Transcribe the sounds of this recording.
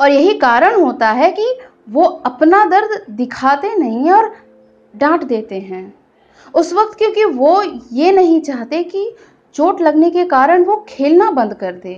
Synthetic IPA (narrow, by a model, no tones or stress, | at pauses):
ɔːɾjɐɦikaːɾəɽ̃ɦoːt̪aɦɛki | ʋoɐpnad̪ɐɾd̪ʱd̪ɪkʰaːt̪enɐɦĩɔːɾ | ɖãːʈd̪eːt̪eɦɛ̃ː | ʊsʋək̚t̪kjõːkiʋojenɐɦĩt͡ʃaːɦt̪eki | t͡ʃoːʈlɐɡnekekaːɾəɽ̃ʋokʰeːlnabɐ̃nd̪kɐɾd̪eː